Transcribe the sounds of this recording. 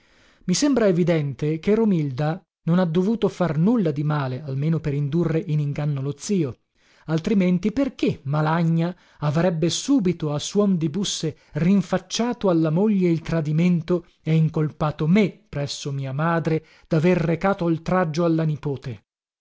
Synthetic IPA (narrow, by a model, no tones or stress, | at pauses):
misembɾaevid̪ɛnt̪ekerːomild̪a | nonad̪ːovuːt̪ofarnulːad̪imaːlealmeːnopeɾind̪urːeʔiniŋɡanːolot̪siːo | alt̪ɾiment̪iperk̟emalaɲːa | avɾɛbːesuːbit̪oasːwɔnd̪ibusːe | riɱfat͡ʃːaːt̪oalːamoʎːeilt̪ɾad̪iment̪o | ɛiŋkolpaːt̪omepɾɛsːomiːamaːd̪ɾe | d̪̥averːekaːt̪olt̪ɾad͡ʒːoalːanipoːt̪e